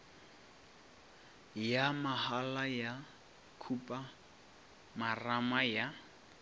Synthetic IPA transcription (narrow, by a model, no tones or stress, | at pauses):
jamahalaja | kʰupʼa | maramaja